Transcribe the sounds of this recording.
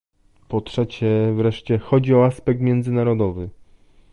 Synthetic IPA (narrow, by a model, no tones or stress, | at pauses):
pɔtʂɛt͡ɕɛvɾɛʂt͡ɕɛxɔd͡ʑiɔaspɛk̚t̪mʲjɛnd̪zɘnaɾɔd̪ɔvɘ